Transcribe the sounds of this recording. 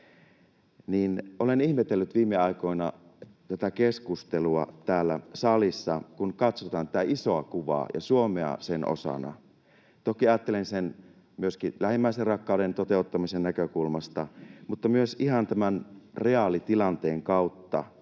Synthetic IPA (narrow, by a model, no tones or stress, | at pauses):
niːnʔolenihmet̪elːyt̪ʋiːmːeɑiko̞inɑ | t̪æt̪ækeskust̪eluɑt̪æːlːæ̰sɑlisːɑkunkɑt̪sot̪ɑːnt̪æt̪æʔisoɑkuʋɑ̰jɑ̰suomeɑ̰senʔo̰sɑ̰nɑ̰ | t̪okiɑjɑt̪ːelensen | myøskilæhimːæˑiserrɑkːɑˑuɾent̪ot̪eut̪ːɑmisennækøkulmɑst̪ɑmut̪ːɑmyøsihɑnt̪æmænreɑlit̪ilɑnt̪eːŋkɑut̪ːɑ̰